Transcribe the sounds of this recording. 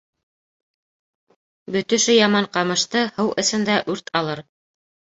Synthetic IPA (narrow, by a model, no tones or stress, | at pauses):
bɵ̆t̪ɵ̆ʃɵjɑmɑɴqɑmɤ̆ʃt̪ɤhɤwʔɘ̆sɘ̆nd̪æʔʉɾt̪ʰɑlˠɤɾ